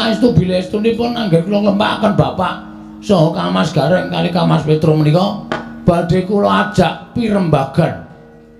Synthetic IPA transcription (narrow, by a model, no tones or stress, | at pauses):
aist̪ubilest̪unipʊnaŋɡərkulɔkləmpa̰kənb̥apaʔ | sɔɦɔkamasɡ̥a̤ɾəʔkalikamaspet̪ɾomənikɔb̥a̤ɖ̥e̤kulɔḁd͡ʒ̥aʔpiɾəmbaɡ̥an